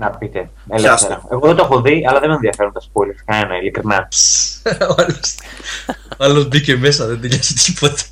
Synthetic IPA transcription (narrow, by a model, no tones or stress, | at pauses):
nɐpit̪e | eleseɾɐeɣoðet̪oexoðiɐlɐðemenðiɐfeɾont̪ɐspolifkɐenɐilikɾinɐpsoalos | oɐlozbiceme̞s̬ɐðend̪iʎɐsi̥t̪ipot̪ɐ̥